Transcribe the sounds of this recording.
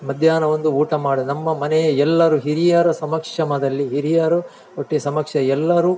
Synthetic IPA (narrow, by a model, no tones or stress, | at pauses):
mɐd̪ʱjaːnɐʋond̪uuːʈɐmaːɽunɐmːɐmɐnɛjɐɛlːɐɾuːɦiɾijaːɾɐsɐmɐkʂɐmɐd̪ɐlːiɦiɾijaːɾɐ | oʈːisɐmɐkʂɐɛlːɐɾuː